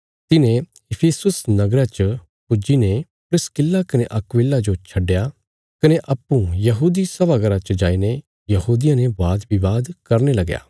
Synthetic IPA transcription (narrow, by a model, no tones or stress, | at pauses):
t̪ɪnẽ | ɪpʰeːsʊsnɐɡɾat͡ʃə | pʊd͡ʒine | pɾɪskɪlːakɐneʔɐkʋɪːlːad͡ʒot͡ʃʰɐɖːeja | kɐneʔɐpːũjɐɦuːd̪isɐbaɡɐɾat͡ʃɐd͡ʒaːine | jɐɦuːd̪ɪjãnebaːd̪bɪʋaːd̪kɐɾnelɐɡja̰ː